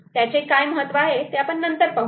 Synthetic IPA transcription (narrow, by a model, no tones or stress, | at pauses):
t̪jat͡ɕekajməɦət̪ːʋaɦet̪eapəɳːənt̪əɾpəɦ